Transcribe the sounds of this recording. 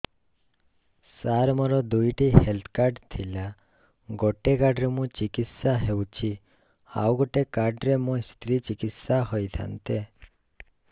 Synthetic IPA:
saɾmɔɾɔd̪ujʈihelt̪ʰkaɾɖt̪ʰila | ɡɔʈekaɾɖɾemũt͡ʃikit̪saɦewt͡ʃʰi | a̰wɡɔʈekaɾɖɾemũst̪ʰɾit͡ʃikit̪saɦɔjt̪ʰa̰nt̪e

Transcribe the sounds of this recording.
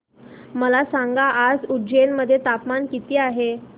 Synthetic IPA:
məlasaŋɡaʔːd͡zud͡ʑenməd̪ʱːjet̪apmankit̪iːaɦe

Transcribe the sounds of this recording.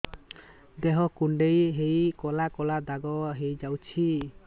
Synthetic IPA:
d̪eɦɔkuɳɖejɦejkɔlakɔlad̪aɡɔɦejd͡ʒawt͡ʃʰi

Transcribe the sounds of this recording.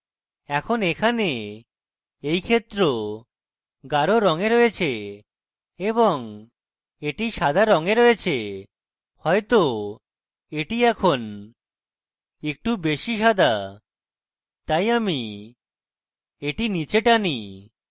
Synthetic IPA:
ɛkʰonekʰane | ejkʰet̪ːɾo | ɡaɾoɾɔŋeɾojet͡ɕʰe | eboŋ | eʈiʃad̪ʱaɾɔŋeɾojet͡ɕʰe | hɔet̪o | eʈiɛkʰon | ek̚ʈubeʃiʃad̪ʱa | t̪ajami | eʈinit͡ɕeʈani

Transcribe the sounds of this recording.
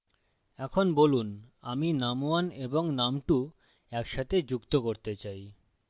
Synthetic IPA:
ɛkʰonbolunaminamoaneboŋnamʈu | ɛkʃat̪ʰed͡ʑukt̪okoɾt̪et͡ɕaj

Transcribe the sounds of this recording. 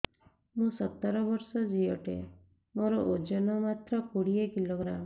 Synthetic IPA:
mũsɔt̪ːɔɾɔbɔɾsɔd͡ʒiɔʈḛ | moɾɔʔod͡ʒɔnɔmat̪ɾɔkuɽiekiloɡɾam

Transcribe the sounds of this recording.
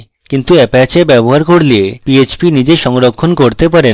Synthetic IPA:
kint̪uɛpat͡ɕebɛboɦaɾkoɾliepiet͡ɕpinid͡ʑeʃɔŋɾokʰːonkoɾt̪epaɾe

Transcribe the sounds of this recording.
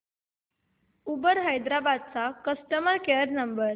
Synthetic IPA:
ubəɾɦajd̪ɾabad̪̚t͡sakəsʈəməɾkeəɾnəmbəɾ

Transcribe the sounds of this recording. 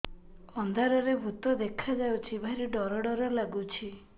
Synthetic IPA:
ɔnd̪ʱaɾɔɾebʱut̪ɔd̪ekʰad͡ʒawt͡ʃʰibʱajɾiɖɔɾɔɽɔɾɔlaɡut͡ʃʰi

